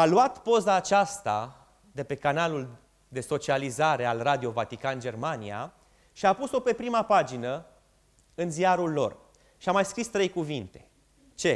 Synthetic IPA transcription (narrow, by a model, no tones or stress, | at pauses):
aluat̪po̞zaːt͡ʃast̪a̰ | d̪e̞pe̞kanalul | d̪e̞so̞t͡ʃializaɾe̞alrad̪io̞vat̪ikand͡ʒe̞rmanija̰ | ʃiapuso̞pe̞pɾimapad͡ʒinə | ɨnzijaɾulːo̞̰r | ʃiamajskɾist̪ɾe̞jkuvint̪e̞̥ | t͡ʃe̞